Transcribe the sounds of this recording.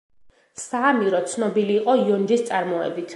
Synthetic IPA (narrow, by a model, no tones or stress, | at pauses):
samiɾɔt̪sʰnɔbiliːqʼɔiɔnd͡ʒist̪sʼaɾmɔɛ̰bit̪ʰ